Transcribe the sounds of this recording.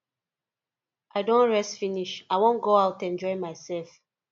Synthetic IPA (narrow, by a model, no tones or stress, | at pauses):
ʔaɪdõnɹɛstfiniʃaɪwõnɡoaʊtɛ̃nd͡ʒɔɪmaɪsɛlf